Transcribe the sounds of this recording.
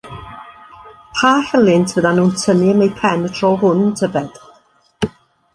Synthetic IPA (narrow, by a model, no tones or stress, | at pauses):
pʰaːhɛlˠɪntʰv̥əðanuːntʰənɪəmejpʰɛnətʰrɔɦʊntʰəvɛd̥